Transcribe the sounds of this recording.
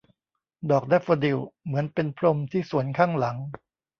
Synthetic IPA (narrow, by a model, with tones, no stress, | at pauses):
dɔː˨˩k̚dɛ˥˩fa˧di˨˩wmɯ˩˦ənpe˧npʰɾo˧mt̪ʰiː˥˩su˩˦ənkʰaː˥˩ŋla˩˦ŋ